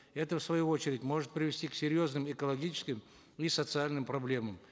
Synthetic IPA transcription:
ɛt̪əfsvɐjuot͡ɕɪɾʲɪtʲmo̞ʐɨt̪̚pɾʲɪvʲɪsʲtʲiksʲɪɾʲjo̞znɨmɪkəlˠɐɡʲit͡ɕɪ̥skʲɪm | isət̪sɨalʲnɨmpɾɐblʲe̞məm

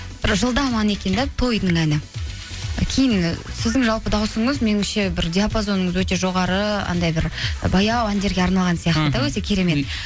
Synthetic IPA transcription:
b̥ɪɾʒəlˠd̪ɑmɑne̞kʲe̞nd̪ɑt̪ʰo̞jd̪nəŋænɪ | kʲʰe̞jɪnsɪzd̪ɪŋʒɑlˠpəd̪ɑwsəɴəzme̞nɪmʃebɪɾd̪ʲeapozo̞nːəɴəzwɵt̪e̞ʒo̞ʁɑɾəɑ̰nd̪ɑjbɪɾbɑjɑwænd̪e̞ɾɡʲe̞ɑɾnɑlˠʁɑnsijɑqt̪əd̪ɑwɵt̪e̞kʲʰe̞ɾe̞me̞t̪

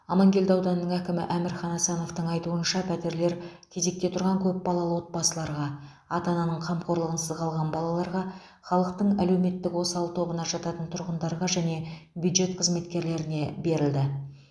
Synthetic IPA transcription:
ɑmɑŋɡʲe̞ld̪ɑwd̪ɑnːəɴækʲɪmɪ̰ʔæmɪɾχɑnɑsɑno̞ft̪əɴɑjt̪uənʃɑpʰæt̪e̞ɾle̞ɾkʲʰe̞ze̞k̚t̪e̞t̪ʰʊɾʁɑŋkʲʰɵp̚bɑlˠɑlˠəwo̞t̪̚bɑsəlˠɑɾʁɑ | ɑt̪ɑnɑnəɴqʰɑmqʰo̞ɾlˠəʁənsəzqʰɑlˠʁɑnbɑlˠɑlˠɑɾʁɑ | χɑlˠəq̚t̪əɴæle̞wme̞t̪ːɪkwo̞sɑlˠt̪ʰo̞bənɑʒɑt̪ɑt̪ənt̪ʰʊɾʁənd̪ɑɾʁɑʒæne̞bʲjud̪ʒe̞t̪qʰəzme̞t̪kʲe̞ɾle̞ɾɪne̞be̞ɾɪld̪ɪ

